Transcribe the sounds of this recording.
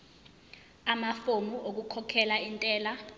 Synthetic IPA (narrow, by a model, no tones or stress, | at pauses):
amafomuʔok̬ukʰɔkʰɛlaintʼɛːla